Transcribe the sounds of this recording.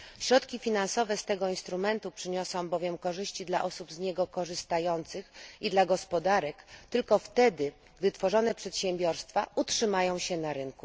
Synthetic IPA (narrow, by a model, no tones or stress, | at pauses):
ɕɾɔt̪kʲifʲinansɔvɛst̪ɛɡɔinst̪ɾumɛnt̪upʂɘɲɔsɔ̃w̃bɔvʲjɛmkɔʐɘɕt͡ɕid̪la̰ʔɔsubzɲɛɡɔkɔʐɘst̪ajɔnt̪sɘxid̪laɡɔspɔd̪aɾɛkt̪ɘlkɔft̪ɛd̪ɘ | ɡd̪ɘt̪fɔʐɔnɛpʂɛt̪ɕɛmbʲjɔɾst̪fautʂɘmajɔ̃w̃ɕɛnaɾɘnku